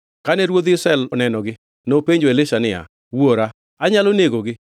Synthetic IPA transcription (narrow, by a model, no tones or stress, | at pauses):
kanɛɾwod̪ɪsɛɛlɔnɛnɔɡɪ | nopeɲd͡ʒoelɪʃanɪa̰ | woɾa | aɲaloneɡoɡɪ